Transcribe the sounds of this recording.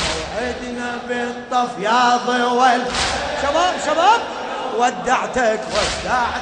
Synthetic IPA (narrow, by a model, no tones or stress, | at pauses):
ʕid̪nabet̪ˤːɑfjɑːðˤwalʃabaːbʃabaːb̚ | wad̪ːaʕt̪akwad̪ːaʕ